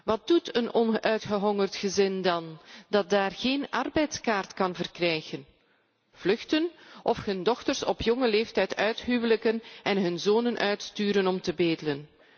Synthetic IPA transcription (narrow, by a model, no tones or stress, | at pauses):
ʋɑt̚d̥utənɔnʔœɥtχəɦɔŋərtχəzɪndɑndɑt̚daːrɣeːnɑrbɛjtskaːrtkɑnvərkrɛjɣən | v̥lɵxtənʔɔfhɵndɔxtərsɔpjɔŋəleːftɛjtœɥtɦywələkənɛnɦɵnzoːnənʔœɥtstyːɾənɔmtəbeːdələn